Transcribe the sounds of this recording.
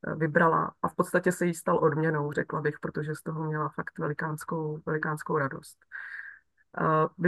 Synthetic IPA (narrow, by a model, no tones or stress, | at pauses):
vɪbɾala̰ʔafpot̪st̪acɛsɛjist̪alʔo̞dmɲɛno̞wrɛklabɪxpɾo̞t̪oʒɛst̪o̞ɦo̞mɲɛlafakt̪vɛlɪkaːnskowvɛlɪkaːnskowɾado̞̰st̪ | vɪ